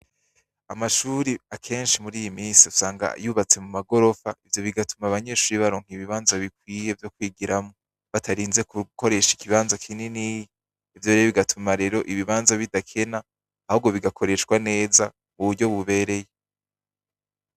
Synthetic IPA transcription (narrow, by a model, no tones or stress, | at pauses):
amaʃuːɾiakʰe̞ːnʃimuɾiːjimiːsiusaːŋɡa̰juːβat͡se̞mumaɡo̞ɾo̞faʔivjo̞βiɡatumaβaɲe̞ːʃuːɾiβaɾo̞ːŋ̥iβiβaːnzaβik̚wiːje̞vjo̞kwiːɡiɾamo | βatʰaɾiːnzekuko̞ɾe̞ʃai̥kiβaːnzakʰineniːjiː | vjo̞ɾeoβiɡatʰumaɾe̞ɾo̞ʔiβiβaːnzaβidakʰe̞naː | hoɡo̞βiɡakʰo̞ɾe̞ʃwane̞ːza | muβuɾɟo̞βuβe̞ːɾe̞je